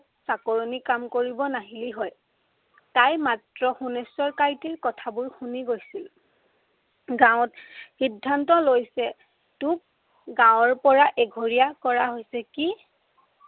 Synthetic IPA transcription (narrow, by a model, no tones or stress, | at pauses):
sakoɹonikamkoɹibɔnaɦiliɦɔj | tajmatɹɔxunesɔɹkajtiɹkɔtʰabʊɹxuniɡojsil | ɡãw̃txidʱːantɔlojsɛ | tuk̚ | ɡãw̃ɔɹpɔɹaʔeɡʱoɹijakɔɹaɦojsɛki